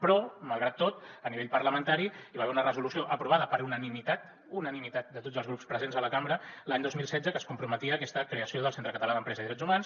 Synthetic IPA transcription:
pɾɔməlˠɣɾat̪ːot̪̚əniβeʎpəɾləmənt̪aɾiiβaβɛunərəzulusioʔəpɾuβ̞aðəpəɾunənimit̪at̪̚ | unənimit̪at̪̚d̪ət̪odd͡zzəlˠzɣ̞ɾupspɾəzenzələkambɾəlaɲd̪ozmilˠsɛd͡zəkəskumpɾumət̪iəːkɛst̪əkɾeəsioðəlˠsent̪ɾəkət̪əlaðəmpɾɛzəiðɾɛd͡zumans

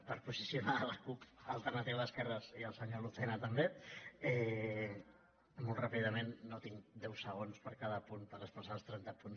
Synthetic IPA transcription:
pəɾpuzisiunaləkupəlˠt̪ərnət̪iwðəskɛrəziəlˠsəɲoluθɛnət̪əmbeɛ | molˠt̪rapiðəmenːot̪iŋd̪ɛwsəɣ̞onspəɾkaðəpunpəɾəspəsalˠst̪ɾɛnt̪əpuns

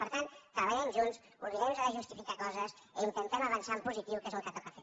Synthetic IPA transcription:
pəɾt̪ant̪ɾəβəʎɛmʒuns | uɾiɛmzəðəʒust̪ifikakɔzəz | iint̪ənt̪ɛməβənsampuzit̪iwkezəlˠkat̪əpafe

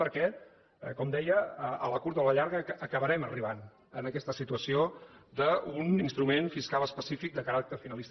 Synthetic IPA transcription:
pəɾkɛ | kɔmd̪ɛjəələkuɾt̪ləʎaɾɣəːkəβəɾɛməriβan | ənəkɛst̪əsit̪uəsiod̪əuninst̪ɾumenfiskaləspəsifik̚d̪əkəɾak̚t̪əɾfinəlist̪

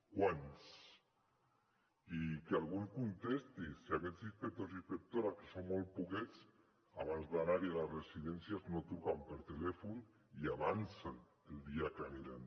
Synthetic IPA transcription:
kwans | ikealˠɣ̞unskunt̪est̪isːiakezðispet̪ozispek̚t̪oɾakesommol̚ˠpukɛt͡s | aβanzðanaɾialasresiðɛnsjaznot̪ukampeɾt̪elɛfun | iaβansan | eld̪iakaniɾan

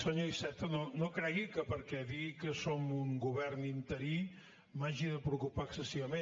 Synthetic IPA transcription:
səɲoisɛt̪ənonokɾɛɣikəpəɾkɛðiɣikəsomuŋɡuβɛrnint̪əɾi | maʒiðəpɾukupaəksəsiβəme

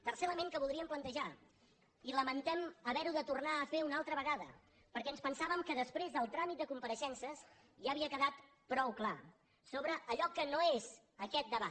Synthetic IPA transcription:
t̪ərseləmeŋkəβulˠd̪ɾiəmplənt̪əʒa | iləmənt̪ɛməβɛɾuðət̪urnaəfeunalˠt̪ɾəβəɣaðə̰ | pəɾkɛənspənsaβəmkəðəspɾezðəlˠt̪ɾamit̪d̪əkumpəɾəʃɛnsəs | ʒaəβiəkəðat̪ | pɾɔwkla | soβɾəʔːʎɔkənoez | əkɛt̪̚d̪əβa

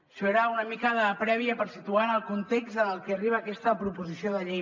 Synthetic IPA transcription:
ʃoeɾaunəmikəðəpɾɛβiəpəɾsit̪uanəlˠkunt̪ekzəəlˠkeɐriβ̞aːkɛst̪əpɾupuzisioðəʎej

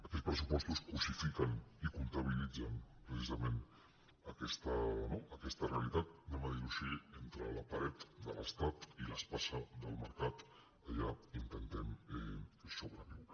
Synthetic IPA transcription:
əkɛt͡spɾəs̬upɔst̪uskusifikənikunt̪əβ̞ilid͡zənpɾəsizəmen | əkɛst̪ənoəkɛst̪əreəlit̪at̪̚nɛməðiɾuʃient̪ɾələpəɾɛt̪d̪ə̰ləst̪at̪iləspasəðəlˠməɾkat̪ | əʎaint̪ənt̪ɛmɛsoβɾəniw

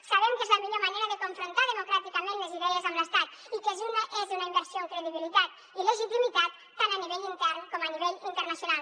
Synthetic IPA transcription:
saβɛmkezləmiʎomaneɾəðəkoɱfɾont̪aðəmokɾat̪ikəmẽnləziðɛəzamləst̪at̪ | ikəzunəʔezunaimbəɾsjoəŋkɾeðiβilit̪at̪ | ileʒit̪imit̪at̪ːanəniβeʎint̪ɛɾnkɔməniβeʎint̪əɾnasjunalˠ

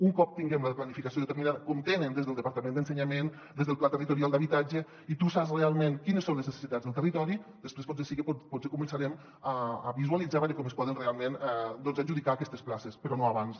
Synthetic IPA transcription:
uŋkɔp̚t̪iŋɡɛmləplanifikasioðət̪əɾminaðəkɔmt̪enənd̪ezðəlˠd̪əpaɾt̪amẽnd̪ənsəɲamen | d̪ezðəlˠplat̪ərit̪uɾialˠd̪aβit̪ad͡ʒə | it̪usasrealˠmenkinəsõnləznəse̥sit̪ad͡zðəlˠt̪ərit̪ɔɾid̪əspɾespɔsesikepɔpɔt͡sekumənsaɾɛm | aːβizualid͡zaβeɾəkɔmespɔðənrealˠmẽnd̪ɔnzaʒuðikaːkɛst̪əsplasespəɾɔnoaβans

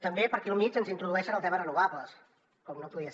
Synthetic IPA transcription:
t̪əmbepəɾkilˠmit͡ʃənzint̪ɾuðuɛʃənəlˠt̪ɛmərənuβaβləs | kɔmnopuðiəs

